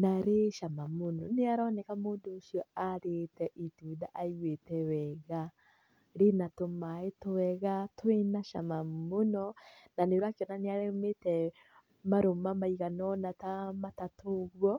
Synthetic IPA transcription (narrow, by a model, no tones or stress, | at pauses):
naɾeʃamamonɔneaɾɔnɛkamoːndoːʃiɔaɾetɛʔituːdaʔaiwetɛwɛɣa | ɾenatomaetowɛɣatwenaʃa̰mamonɔnaneɾwakeɔnaneaɾɛmetɛ | maɾomamaiɣanɔnatamatatoɣwɔ